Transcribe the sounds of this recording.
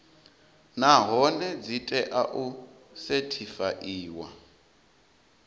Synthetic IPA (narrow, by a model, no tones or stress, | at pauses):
naɦɔnɛd͡zitʼɛʔaʔu | setʰifaʔiːwa̰